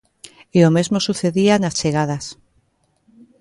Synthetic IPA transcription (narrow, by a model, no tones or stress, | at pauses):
eomezmosuθeðianast͡ʃeɣ̞að̞as